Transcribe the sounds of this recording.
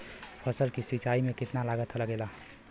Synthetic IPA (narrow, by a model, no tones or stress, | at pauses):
pʰəsəlkisit͡ʃaimẽkɪt̪nalaɡət̪ʰələɡela